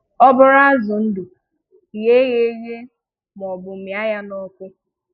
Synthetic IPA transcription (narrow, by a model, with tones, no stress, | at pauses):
ɔ˦bʊ˦ɾa˦zʊ˨n̩˦du˨ | ɣe˦ɣe˦ɣe˦ | m˨ɔ˨bʊ˨mja˦ja˦nɔ˦kʷʊ˦